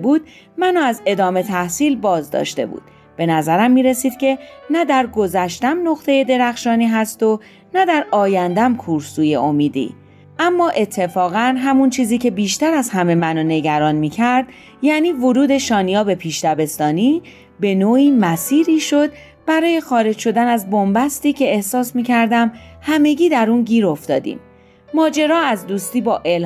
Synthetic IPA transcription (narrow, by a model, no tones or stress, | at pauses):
buːd̪̥̚ | mænoæze̞d̪ɒːme̞t̪ʰæhsiːlbɒːzd̪ɒ̰ːʃt̪e̞̰bṵːd̪̥ | b̥e̞næzæɾæmːiːɾe̞siːd̪̥cʰe̞næd̪æɾɡo̞zæʃt̪æmno̞χt̪ʰe̞je̞d̪e̞ɾæxʃɒːniːɦæst̪o | næd̪æɾɒːjænd̪æmkʰuɾsuːje̞̰o̞miːd̪ḭː | ʔæmːɒːʔe̞t̪ʰːe̞fɒːɣænɦæmunt͡ʃʰiːziːcʰe̞biːʃt̪æɾæzhæme̞mænone̞ɟæɾɒːnmiːcʰæɾd̪ | jæːniːvoɾuːd̪e̞ʃɒːnijɒːbe̞pʰiːʃt̪æbe̞st̪ɒːniː | be̞noːiːmæsiːɾiːʃo̞d̪̚ | b̥æɾɒːje̞xɒːɾe̞d͡ʒʃo̞d̪ænæzbo̞mbæst̪iːcʰe̞ːhsɒːsmiːcʰæɾd̪æmhæme̞ɟiːd̪æɾuːnɟiːɾo̞ft̪ɒːd̪ḭːmː | ɒːd͡ʒe̞ɾɒːæzd̪uːst̪iːbɒːʔel